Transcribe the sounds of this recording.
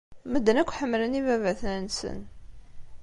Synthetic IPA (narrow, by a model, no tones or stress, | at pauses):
məd̪ːənækʷːħəmːlənivævæθnænsə̰n